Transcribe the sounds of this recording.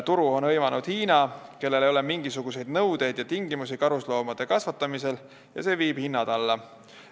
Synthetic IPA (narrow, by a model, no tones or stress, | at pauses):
t̪uɾuo̞nɤjmɑnud̪̥hiːnɑke̞lːe̞lejo̞le̞miŋɡ̥isuɡ̥us̬e̞jd̪̥nɤwd̪e̞jd̪̥jɑt̪iŋɡimusikɑɾuslo̞ːmɑd̪̥e̞kɑsvɑt̪ːˑɑmise̞l | jɑ̰se̞ːviːb̥hinːɑd̪̥ɑlːɑ